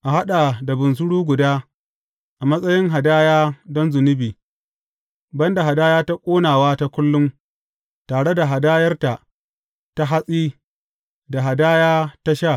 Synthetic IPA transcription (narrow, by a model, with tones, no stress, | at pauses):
ʔa˨ɦa˦ɗa˨da˨bʊ˨ns̬ʊ˦ɽuː˦ɡʷʊ˨daː˦ | ʔa˨mɐ˦sʼɐ˦jɪ˦ŋɦa˨daː˦jaː˦dɔ˦nzʊ˨nɪ˦biː˨ | bɐ˦nda˨ɦa˨daː˦jaː˦ta˦kʷʼoː˦naː˨waː˦ta˦kʷʊ˦lːʊ˦m | taː˨ɽe˦da˨ɦa˨daː˦jɐ˦rta˨ʔ | ta˦ɦa˦sʼiː˦ | da˨ɦa˨daː˦jaː˦ta˦ʃa˦˨